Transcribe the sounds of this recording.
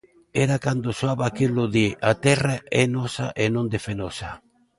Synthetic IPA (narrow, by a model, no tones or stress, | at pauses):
eɾakand̪osoaβakilʊðiʔat̪ɛraʔɛnɔsaʔenõnd̪efenɔsa